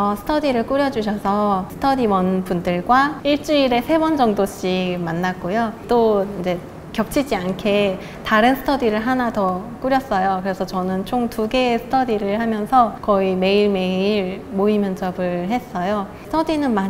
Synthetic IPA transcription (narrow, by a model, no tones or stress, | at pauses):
ʌsʰɯ̥tʰʌdiɾɯɭk͈uɾjʌd͡ʑuɕʰʌsʰʌsʰɯ̥tʰʌdiwʌnbundɯɭɡwaiɭt͡ɕ͈uiɾe̞sʰe̞bʌnd͡ʑʌŋdoɕ͈imanːak͈ojot͈oind͡ʑe̞ | kjʌp̚t͡ɕʰid͡ʑiankʰe̞ | taɾɯnsʰɯ̥tʰʌdiɾɯɭɦanatʌk͈uɾjʌs͈ʌjokɯɾe̞sʰʌt͡ɕʌnɯnt͡ɕʰoŋtuɡe̞sʰɯ̥tʰʌdiɾɯɭhamjʌnsʰʌkʌime̞iɭme̞iɾmoimjʌnt͡ɕʌbɯɭɦe̞s͈ʌjo̥ | tʰʌdinɯnma